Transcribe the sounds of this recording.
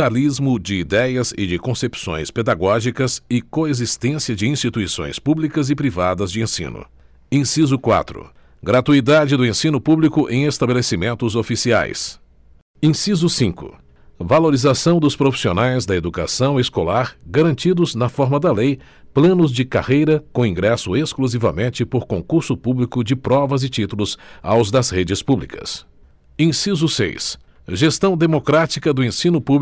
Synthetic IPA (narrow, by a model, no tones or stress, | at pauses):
alizmʊd͡ʒɪid̪ɛjɐzɪ̰d͡ʒɪkõsepsõ̰j̃sped̪aɡɔʒikɐsɪkoezist̪ẽsiɐd͡ʒɪĩst͡ʃit̪uisõ̰j̃spublikɐzɪpɾivad̪ɐzd͡ʒɪẽsḭ̃nʊ̰ | ĩsizʊkwa̰t̪ɾʊ̰ | ɡɾat̪uid̪ad͡ʒɪd̪ʊẽsĩnʊpublikʊʔḛ̃j̃est̪abelesimẽnt̪ʊzofisia̰js | ẽsizʊsĩŋkʊ̰ | valoɾizasɐ̃w̃d̪ʊspɾofi̥sionajzd̪ɐed̪uka̰sɐ̃w̃eskolaɾɡaɾɐ̃nt͡ʃid̪ʊznɐfɔɾmɐd̪ɐlej | plɐ̃nʊzd͡ʒɪka̰hejɾɐkõĩɡɾɛsʊeskluzivɐmẽnt͡ʃɪpoɾkõkuɾsʊpublikʊd͡ʒɪpɾɔvɐzɪt͡ʃit̪ulʊzawzd̪ɐzhed͡ʒɪspublikɐ̰s | ẽsizʊsḛjs | ʒest̪ɐ̃w̃d̪emokɾat͡ʃikɐd̪ʊẽsĩnʊpub